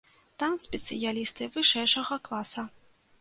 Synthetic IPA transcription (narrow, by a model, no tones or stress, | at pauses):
t̪amsʲpʲɛt̪sɨjalʲist̪ɨvɨʂɛjʂɐɣɐklˠasɐ